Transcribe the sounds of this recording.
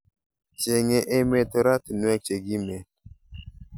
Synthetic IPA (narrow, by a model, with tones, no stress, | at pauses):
t͡ʃe˨ŋe˨ʔe˦me˨to˨ɾa˦ti˨nwɛ˦t͡ʃe˨ɡi˦me˨